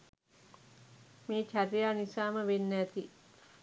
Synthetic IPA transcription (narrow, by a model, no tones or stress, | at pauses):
meːt͡ʃʰæɾijaːnisaːməʋenːæt̪i